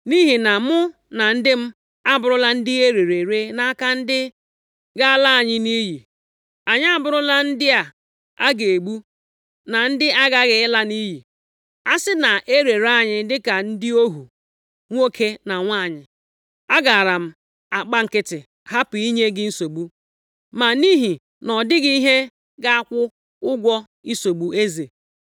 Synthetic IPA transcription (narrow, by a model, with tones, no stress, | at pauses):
ni˦ɦi˨na˨mʊ˦ | na˨n̩˦dɪ˦m̩˦ | a˦bʊ˦ɾʊ˦la˦n̩˦dɪ˦e˦ɾe˨ɾe˨ɾe˦na˦a˦ka˦n̩˦dɪ˦ | ɡa˦a˦la˦a˨ɲɪ˦ni˦ji˨ | a˨ɲɪ˦a˦bʊ˦ɾʊ˦la˦n̩˦dɪ˦a˨ | a˦ɡe˨e˨ɡ͡bu˦ | na˨n̩˦dɪ˦a˦ɡa˦ɣe˨ɪ˦la˦ni˦ɦi˨ | a˦sɪ˦na˨ʔe˦ɾe˨ɾa˦˨ɲɪ˦dɪ˦ka˨n̩˦dɪ˦o˦ɦu˨ | ŋʷ˦o˦kʰe˦na˨ŋʷa˦˨ɲɪ˨ | a˦ɡa˨a˨ɾa˨m̩˦ | a˨k͡pa˦ŋ̩˨kɪ˦tɪ˨ | ha˦pʊ˨i˦ɲe˦ɡɪ˦n̩˦so˨ɡ͡bu˦ | ma˨ni˦ɦi˨ | nɔ˨dɪ˦ɡi˦ɦe˦ | ɡa˦a˦kʷʊ˦ | ʊ˦ɡʷɔ˦ | i˦so˨ɡ͡bu˨e˦ze˨